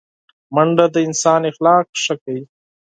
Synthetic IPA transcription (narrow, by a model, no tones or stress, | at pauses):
mɐɳɖad̪əɪnsɑːnɪxlɑːqʂəkawi